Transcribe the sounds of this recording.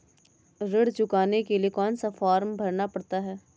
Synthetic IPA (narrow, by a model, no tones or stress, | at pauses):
ɾɪɽt͡ʃʊkaːnekeliekɔːnsafaːɾmbʱɐɾnapɐɽt̪aɦɛː